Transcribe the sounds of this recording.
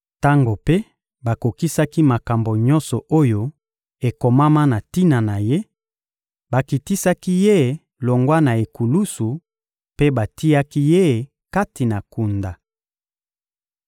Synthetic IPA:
ta˦ŋɡo˨pe˦ | ba˨ko˨ki˦sa˦ki˦ma˨ka˨mbo˨ɲɔ̃˦nsɔ˨ʔo˦jo˦ | e˨ko˨ma˦ma˦na˨ti˦na˨na˨je˦ | ba˨ki˨ti˦sa˦ki˦je˦˨ | lo˨ŋɡwa˦na˨e˨ku˨lu˦su˨ | pe˦ba˨ti˦ja˦ki˦je˦˨ | ka˦ti˨na˨ku˨nda˨

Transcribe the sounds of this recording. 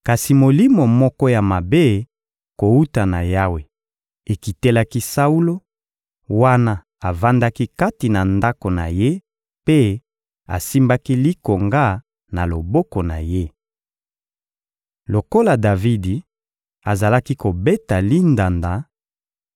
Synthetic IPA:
ka˨si˨mo˨li˦mo˨mɔ˦kɔ˦ja˨ma˨be˦˨ | ko˨u˦ta˨na˨ja˦we˨ | e˨ki˨te˦la˦ki˦sa˦u˦lo˦ | wa˦na˦ | a˨va˦nda˦ki˦ka˦ti˨na˨nda˦ko˨na̰˨je˦ | pe˦ | a̰˨si˦mba˦ki˦li˦ko˨ŋɡa˦ | na˨lo˨bɔ˦kɔ˨na̰˨je˦ | lo˨ko˦la˨da˨vi˦di˨ | a˨za˨la˦ki˦ko˨be˦ta˨li˦nda˨nda˨

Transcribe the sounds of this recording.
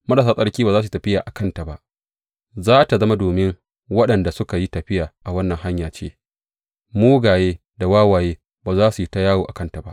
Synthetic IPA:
mɐ˦ɗaː˨saː˦sʼɐ˦ɽkʲiː˦baː˨zaː˦s̬u˨˦tɐ˨ɸɪ˦jaː˨ʔa˨kɐ˦nta˨ba˦ʔ | zaː˦ta˨zɐ˦ma˦doː˨mɪ˦ŋ | wɐ˦ɗɐ˨nda˨sʊ˦ka˨ji˦tɐ˨ɸɪ˦jaː˨ʔa˨wɐ˦nːɐ˨ŋha˦ɲjaː˨t͡ʃḛː˦ | muː˦ɡaː˨jeː˦ | da˨waː˦waː˨jeː˦ | baː˨zaː˦su˨i˦ta˦jaː˦woː˨ʔa̰˨kɐ˦nta˨ba̰˦ʔ

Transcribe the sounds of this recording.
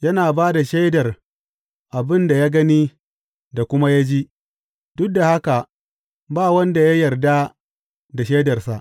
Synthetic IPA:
jɐ˦naː˨baː˦da˨ʃe˦dɐ˨r | ʔa˨bɪ˦nda˨jaː˦ɡɐ˦niː˦ | da˨kʷʊ˦ma˦ja˦d͡ʒi˦ | dʊ˦k̚da˨ha˦ka˨ | baː˦˨wɐ˦nda˨ja˦jɐ˨rda˦ | da˨ʃe˦dɐ˨rsa˨ʔ

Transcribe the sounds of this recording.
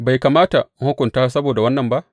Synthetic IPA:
ba˨jka˨maː˦ta˨ŋ̩˦hʊ˦kʷʊ˨ntaː˦sɐ˦boː˨da˨wɐ˦nːɐ˨mba˦ʔ

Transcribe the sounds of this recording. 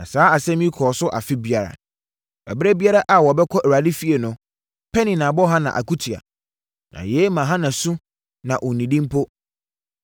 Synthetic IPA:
nã̰˨saː˨˦a˨sɛ̃˦m˦ĩ˦kʰɔː˨sʊ˦ʔa˨fɪ˦bi˦a˨ɾa̰˨ | bɛ̰˨bɾɛ˦bi˦a˦ɾa˦ʔa˨wɔ˨bɛ˦kʰɔ˦ʔɛ˨ɾa˨di˦fi˦e˨nʊ̃˨ | pʰɛ˦nĩ˨nã˨bɔ˦ɦã˦nã̰˨ʔa̰˨ku˦tʰi˨a̰˨ | nã̰˨jɛː˨˦mã˨ɦã˦nã˨sũ˦ | nã˨ʔɔ˨nĩ˨dĩ˦m˦pʰo˦

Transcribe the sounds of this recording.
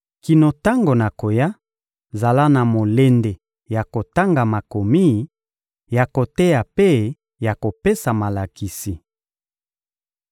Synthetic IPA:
ki˨no˨ta˦ŋɡo˨na˨ko˨ja˦ | za˨la˦na˨mo˨le˦nde˨ | ja˨ko˨ta˦ŋɡa˨ma˨ko˨mi˦ | ja˨ko˨te˦ja˨pe˦ | ja˨ko˨pe˦sa˨ma˨la˨ki˨si˨

